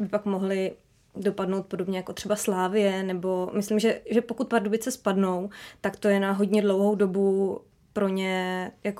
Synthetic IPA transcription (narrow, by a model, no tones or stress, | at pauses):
bɪpakmoɦlɪ | do̞padnowt̪̚po̞dobɲɛjakot̪r̥ɛbaslaːvɪjɛnɛbo̞mɪslimʒɛʒɛpo̞kut̪̚paɾdobɪt͡sɛspadno̞wt̪akt̪ojɛnaɦo̞ɟɲɛdlo̞wɦo̞wdo̞bu | pɾo̞ɲɛjako